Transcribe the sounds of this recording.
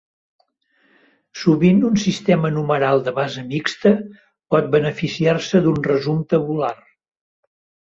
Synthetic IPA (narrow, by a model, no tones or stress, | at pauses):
suβind̪unsist̪ɛmənuməɾalˠd̪əβazəmikst̪ə | pɔt̪̚bənəfisiarsəd̪unrəzumt̪əβular